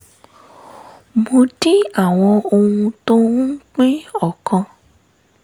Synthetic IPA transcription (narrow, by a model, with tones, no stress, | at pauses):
mo˧ti˦a˦˨w̃ɔ̃˧o˧hũ˧to˦k͡pĩ˦ɔ˦˨kã˧